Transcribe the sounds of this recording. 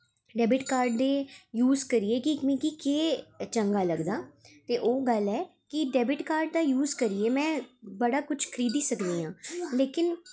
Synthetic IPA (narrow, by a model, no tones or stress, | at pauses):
ɖɛːbɪʈkaːɾɖ̚d̪eːjuːzkəɾieːkɪkmẽkikeːt͡ʃə̃ŋɡaːləɡd̪aːt̪eːʔoːɡəlɛː | kɪɖɛːbɪʈkaːɾɖ̚d̪aːjuːzkəɾieːmɛ̃ːbəɽaːkʊt͡ʃʰkʰəɾiːd̪iːsəkd̪iːãːleːkɪn